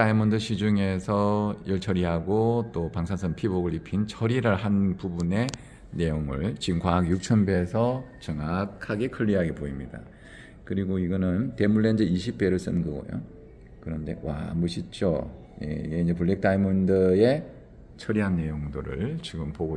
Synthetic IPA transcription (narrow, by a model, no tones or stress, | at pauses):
aimʌndɯɕʰid͡ʑuŋe̞sʰʌjʌɭt͡ɕʰʌɾiɦaɡot͈opaŋsʰasʰʌnpʰiboɡɯɭipʰint͡ɕʰʌɾiɾɯɭɦanpubune̞ | ne̞joŋɯ̰ɭt͡ɕiŋkʰwaɦakjuk̚t͡ɕʰʌnbe̞sʰʌt͡ɕʌŋakʰaɡe̞kʰɯʎːiɦaɡe̞poimɲida̰ | kɯɾiɡoiɡʌnɯnte̞muɭːend͡ʑeiɕʰip̚p͈e̞ɾɯɭs͈ɯnɡʌɡʌ̰jo̰ | kɯɾʌnde̞wa̰mɯɕʰit͡ɕ͈o̰ | jḛḭɡe̞ind͡ʑepuɭːik̚t͈aimɯndɯe̞ | t͡ɕʰʌɾiɦanːe̞joŋdoɾɯ̰ɭt͡ɕiɡɯmpoɡo